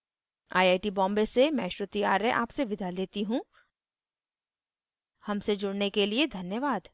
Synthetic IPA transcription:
aːjaːɪʈibɔ̃ːmbesemɛ̃ːʃɾʊt̪iaːɾeʔa̰ːpseʋɪd̪ʱaleːt̪iɦũ | hɐmsed͡ʒʊɽnekelied̪ʱɐnjəʋaːd̪

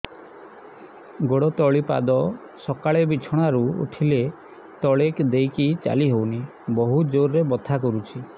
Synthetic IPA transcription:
ɡoɽɔt̪ɔɭipa̰d̪ɔ | sɔkaɭebit͡ʃʰɔɽ̃aɾuṵʈʰile | t̪ɔɭekd̪ejkit͡ʃa̰liɦowni | bɔɦud͡ʒoɾːebɔt̪ʰakɔɾut͡ʃʰi

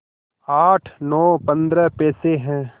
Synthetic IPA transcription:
aːʈʰnɔːpɐ̃nd̪ɾəpɛːseɦɛ̃ː

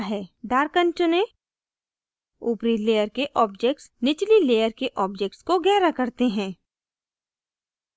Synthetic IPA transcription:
ɦɛːɖaːɾkə̃ɲt͡ʃʊnẽ | uːpɾileːjəɾkeʔɔːbd͡ʒek̚ʈsnɪt͡ʃlileːjəɾkeʔɔːbd͡ʒeːk̚ʈskoɡɛːɾakɐɾt̪eɦɛ̃ː

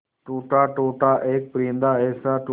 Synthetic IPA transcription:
ʈoːʈaːʈoːʈaːʔeːk̚pəɾĩːnd̪aːɛːsaːʈ

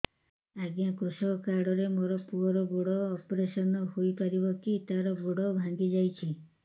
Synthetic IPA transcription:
aɡjãkosɔkɔkaɾɖɔɾemoɾɔpuɔɾɔɡoɽɔːpɔɾesɔnɔhojpaɾibɔkit̪aɾɔɡoɽɔbʱãŋɡid͡ʒajt͡ʃʰi

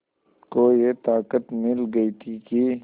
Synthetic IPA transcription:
kojet̪aːkət̪mɪlɡəit̪ʰiki

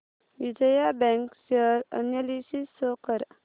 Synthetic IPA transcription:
ʋid͡ʒəjabɛ̃ŋksəɾə̰njəlisisːokəɾ

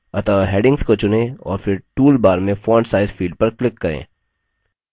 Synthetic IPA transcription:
ɐt̪aːɦeːɖɪ̃ŋɡskot͡ʃʊnẽɔ̰ːɾfɪɾʈuːlbaːɾmẽfɔːɳsaːɪzfiːɖ̚pɐɾklɪkːɐɾḛ̃ː

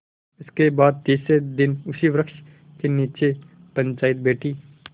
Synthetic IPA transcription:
ɪskebaːd̪̚t̪iːsed̪ɪnʊsiʋɾəkʃ | keniːt͡ʃe | pə̃nt͡ʃaːɪt̪̚beːʈi

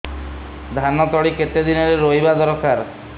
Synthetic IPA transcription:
d̪ʱanɔt̪ɔɭiket̪ed̪inɔɾeɾoibad̪ɔɾɔkaɾ

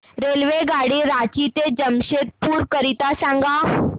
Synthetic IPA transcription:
ɾelʋeɡaɽiɾat͡ɕit̪ed͡ʑəmɕet̪̚puːɾkəɾit̪asãŋɡa

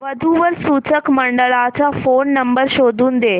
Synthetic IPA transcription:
ʋəd̪ʱuʋəɾsut͡səkməɳɖəɭat͡safonːəmbəɾɕod̪ʱuːnd̪e

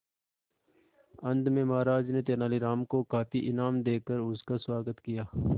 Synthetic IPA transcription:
ɐ̃nd̪mẽmaːɾaːd͡ʒnet̪̬eːnaːliɾaːmkokaːfiʔɪnaːmd̪eːkəɾʊskaswaːɡət̪kijaː

